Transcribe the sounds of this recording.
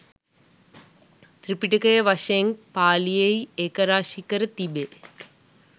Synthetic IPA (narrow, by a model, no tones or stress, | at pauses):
t̪ɾipːiʈːɯkːɐjɐʋɐʂeŋpaːlijɐjekːɐɾaːʃikːɐɾɨt̪ibe